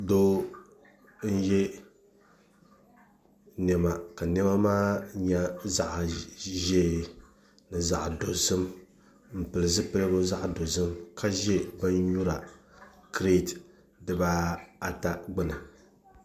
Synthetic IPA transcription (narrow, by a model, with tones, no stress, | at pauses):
do˦ | n̩˦jɛ˦ | nɛ˨ma˨ka˨nɛ˦ma˦maː˦ɲa˦za˦ʔʒe˦ | nɨ˨za˨ʔdo˨zɨ˦m | m̩˨pɨ˨lɨ˨zɨ˦pɨ˦lɨ˦bʊ˦za˦ʔdo˨zɨ˦mka˦ʒɛ˦ba˦n˦ju˦ɾa˨kɾe˦˨t | dɨ˨ba˦a˨ta˦ɡ͡bɨ˦na˨